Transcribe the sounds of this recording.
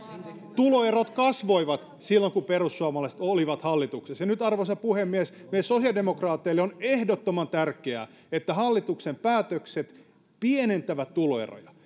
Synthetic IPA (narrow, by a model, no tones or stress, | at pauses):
t̪uloerot̪kɑsʋoiʋɑt̪ | silːoŋkuperusːuɑmɑlɑˑise̥t̪oliʋɑt̪hɑlːit̪uksesjɑnyt̪ɑrʋosɑpuhemːiesmesosiɑldemokrɑːt̪ːˑeilːeonehdot̪ːomɑnt̪ærkeæ̰ | et̪ːæhɑlːit̪uksempæːt̪økset̪ | pienent̪ːæʋæt̪t̪uloḛro̰jɑ